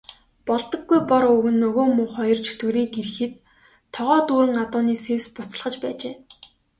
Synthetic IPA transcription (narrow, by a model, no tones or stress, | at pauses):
pɔɮt̪ə̆ɡːujpɔɾɵɣɘ̆nːɵɣoːmʊːχɔjɞ̆rt͡ɕʰɵ̥t̪ɡɵ̆ɾiːŋɡeɾɘ̆xɘ̆t̪ʰː | ɔʁɔːt̪uːɾɘ̆ŋat̪ʊːniːsewspʊt͡s̆ɮχə̆t͡ɕpæːt͡ɕeː